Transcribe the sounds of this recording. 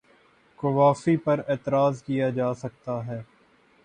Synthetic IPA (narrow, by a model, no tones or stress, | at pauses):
kʊʋaːfipɐɾeːt̪əɾaːzkijaːd͡ʒaːsɐk̚t̪aɦɛː